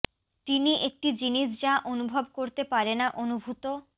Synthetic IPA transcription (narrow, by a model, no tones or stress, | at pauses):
t̪iniʔek̚ʈid͡ʑiniʃd͡ʑaʔonubʱobkoɾt̪epaɾenaʔonubʱut̪o